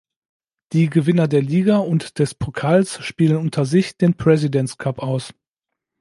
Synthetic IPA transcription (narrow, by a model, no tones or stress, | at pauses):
d̥iːɡəvɪnɐdeːɐliːɡaʊntd̥ɛspʰokʰaːlsʃpiːlənʊntʰɐzɪçd̥eːnpʁ̥ɛzidɛntkʰapaʊs